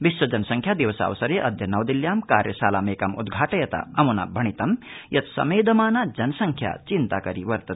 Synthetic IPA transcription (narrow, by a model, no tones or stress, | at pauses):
biswɐd͡ʒɐnsɐŋkʰjaːd̪iʋɐsa̰ːʋɐsɐɾeʔɐd̪ʱjɐnɐwd̪iljaːmka̰ːɾjɐsaːlameːkɐmṵd̪ɡʱaːʈɐjɐt̪a̰ɐmuna̰bʱɐɳ̃it̪ɐmjɐt̪sɐ̰meːd̪ɐmaːnad͡ʒɐnsɐŋkʰja̰t͡ʃint̪akɐɾiʋɐɾt̪ɐt̪